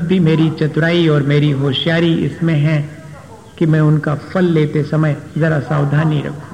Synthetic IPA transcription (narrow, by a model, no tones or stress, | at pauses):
b̚bʱimeːɾit͡ʃɐt̪ɾaːiɔːɾmeːɾiɦoːʃjaːɾiɪ̰smẽɦɛ̃ | kimɛ̃ʊnkafɐlːeːt̪esɐməjzɐɾasaːwd̪ʱaːniɾɐ̰kʰũ